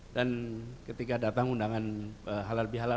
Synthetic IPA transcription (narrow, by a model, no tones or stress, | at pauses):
dankət̪ikadat̪aŋundaŋanəɦalaləbiɦala